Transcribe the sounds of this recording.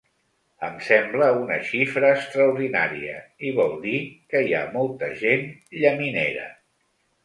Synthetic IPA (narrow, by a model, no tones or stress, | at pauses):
əmsɛmbləunə̰ʃifɾəːkst̪ɾəuɾðina̰ɾiə̰iβɔlˠd̪ikəia̰mɔlˠt̪əʒenʎəmineɾə̰